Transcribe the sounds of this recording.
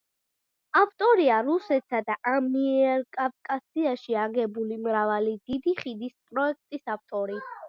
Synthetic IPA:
aft̪ʼɔɾiaɾusɛt̪sad̪aʔamiɛɾkʼafkʼasiaʃiaɡɛbulimɾavalid̪̥id̪iχid̪ispʼɾɔɛk̚ʰt̪ʼisaft̪ʼɔɾi

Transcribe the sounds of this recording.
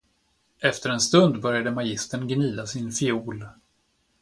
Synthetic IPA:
ʔɛft̪əɾɛnst̪ɵnd̪bœɾjad̪əmajɪst̪əɳɡniːd̪asɪnfɪuːl

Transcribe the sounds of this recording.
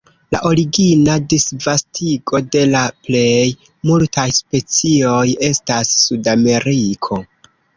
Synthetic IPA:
la̰ʔo̞ɾiɡinadisvastʰiɡo̞de̞laple̞j | multʰajspe̞t͡sio̞je̞stasːudame̞ɾikʰo̞

